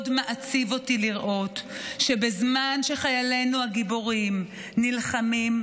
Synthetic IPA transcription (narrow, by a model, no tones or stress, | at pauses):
dmeʔat͡sivo̞tiliʁʔo̞tʃebezmanʃe̞χajale̞nuhaɡiboʁim | nilχamim